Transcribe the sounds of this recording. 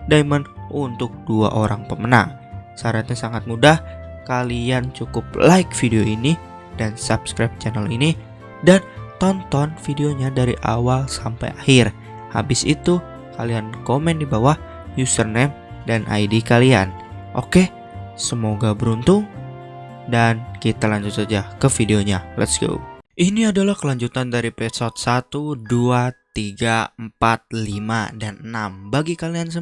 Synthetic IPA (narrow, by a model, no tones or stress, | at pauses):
daimanʔunt̪ʊk̚dua̰ʔoɾaŋpəməna̰ŋ | saɾat̪̚ɲasaŋat̪̚mudahkaliant͡ʃukʊp̚laɪk̚fideoini | dansapskɾap̚t͡ʃɛnəlini | dant̪ɔnt̪ɔnfideoɲadaɾiʔa̰walsampa̰jahɪr | ha̰bɪsḭt̪u | kaliankomɛndibawah | jusərnɛm | danʔa̰jdikalia̰n | ʔo̰ke | səmoɡabəɾunt̪uŋ | dankit̪alaɲd͡ʒut̪sad͡ʒakəfideoɲalɛ̰t̪sɡo̰ʔiniadalahkəlaɲd͡ʒut̪andaɾipɛsɔt̪̚sat̪uduat̪iɡampat̪̚limadanənambaɡikaliansə